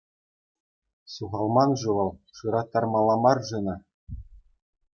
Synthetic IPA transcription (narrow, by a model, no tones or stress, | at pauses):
suʁɑlˠmɑnʐuʋɤlˠʂɯɾɑt̪ːɑrmɑlˠːɑmɑrʐɯnɑ